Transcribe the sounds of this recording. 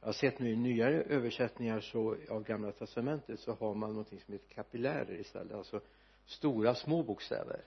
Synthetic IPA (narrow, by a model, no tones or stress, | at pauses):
jɑhasɛt̪ːnʉːɪnyːaɾəʔøːvəʂɛt̪nɪŋaʂɔavɡamlat̪ʰɛst̪amɛnt̪ət̪sɔhaɾmanːɔnt̪ʰɪŋsɔmheːt̪əɾkʰapɪlæ̰ːɾə̰ɾɪst̪ɛ̰lːət̪alsɔ | st̪uːɾasmoːbuːkst̪ɛ̰ːvə̰ɾ